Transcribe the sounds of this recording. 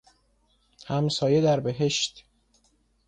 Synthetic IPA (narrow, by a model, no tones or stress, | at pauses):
hæmsɒːje̞d̪æɾbe̞ɦe̞ʃt̪